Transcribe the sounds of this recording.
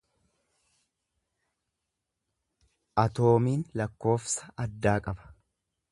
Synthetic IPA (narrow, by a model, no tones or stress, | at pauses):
ʔɐt̪o̞ːmiːnlɐkːo̞ːfsɐ̥ʔɐd̪ːaːkʼɐbɐ̥